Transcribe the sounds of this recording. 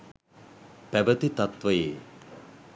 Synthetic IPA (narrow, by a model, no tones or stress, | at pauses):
pɛbɐt̪it̪ɐt̪ʋɐjeː